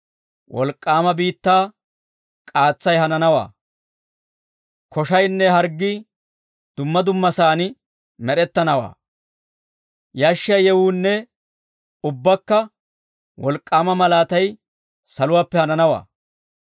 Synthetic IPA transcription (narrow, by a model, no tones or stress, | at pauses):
wʔɔ̰lkʼːaːmɐbiːt̪ːaː | kʼaːt͡sːɐjɦɐnɐnɐwa̰ː | kɔʃɐjnːɛɦɐɾɡːi | d̪̥ʊmːɐd̪ʊmːɐsaːnɪ | mɛɗɛt̪ːɐnɐwa̰ː | jaːʃːɪɐjjɛwuːnːɛ | ʊbːɐkːɐ | wɔlkʼːaːmɐmɐlaːt̪ɐj | sɐlʊwaːpːɛhɐnɐnɐwa̰ː